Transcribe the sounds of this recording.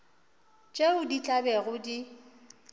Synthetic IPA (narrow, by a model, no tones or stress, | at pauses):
t͡ʃʼeʊdit͡ɬʼabɛɣʊdi